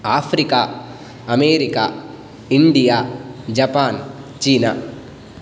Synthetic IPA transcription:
aːpʰɾikaː | ɐmeːɾikaː | iɳɖijaːd͡ʒɐpaːnt͡ʃiːna̰ː

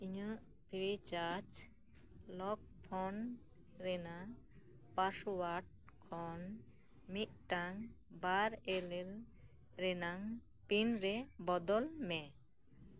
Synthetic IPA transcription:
iɲəʔ | pʰiɾit͡ʃat͡ʃ | lɔk̚pʰɔn | ɾɛna | paswaʈ̚ | kʰɔn | miʔ̪̚ˀʈaŋbaɾɛlɛl | ɾɛnaŋ | pinɾɛbɔd̪ɔlmɛ

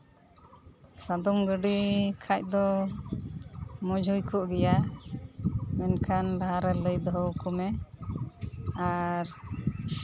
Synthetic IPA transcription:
sad̪ɔmɡəɖikʰac̚d̪ɔ | mɔd͡ʒʱujkɔʔɡɛja | mɛnkʰanlaɦaɾɛləjd̪ɔɦɔwkɔmɛ | aɾ

